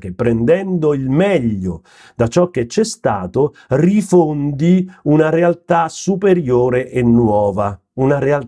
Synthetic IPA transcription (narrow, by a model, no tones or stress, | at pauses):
k̟epːɾɛnd̪ɛnd̪oilmɛʎːo | d̪̥at͡ʃɔk̟ːet͡ʃːɛst̪aːt̪o | rifond̪iunaɾealt̪asupeɾjoːɾeʔenːwɔːva | unaɾeal